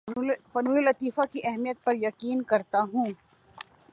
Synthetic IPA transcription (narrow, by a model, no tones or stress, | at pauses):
fɐnuːllɐt̪iːfakiʔɛɦmijət̪̚pɐɾjɐqiːnkɐɾt̪aɦũː